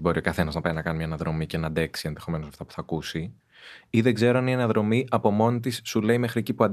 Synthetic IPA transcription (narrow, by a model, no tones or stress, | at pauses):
bo̞ɾio̞kɐθe̞nɐznɐpɐjinɐkɐnimɲɐnɐðɾo̞mice̞nɐd̪e̞ksie̞nðe̞xo̞me̞nosɐft̪ɐpu̥θɐkusi | iðe̞ɡze̞ɾoɐnienɐðɾo̞miʔɐpo̞mo̞nt̪isːule̞ime̞xɾiecipuɐnd̪